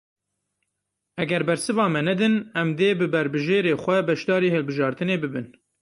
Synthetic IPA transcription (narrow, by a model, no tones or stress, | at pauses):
ʔɛɡɛɾbɛɾsɨvɑːmɛnɛd̪ɨnɛmd̪eːbɨbɛɾbɨʒeːɾeːxʷɛbɛʃd̪ɑːɾiːhɨlbɨʒɑːɾt̪ɨneːbɨbɨn